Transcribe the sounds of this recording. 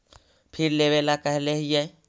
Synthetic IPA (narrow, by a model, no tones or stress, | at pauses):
pʰɪɾleːʋelakɛɦleɦije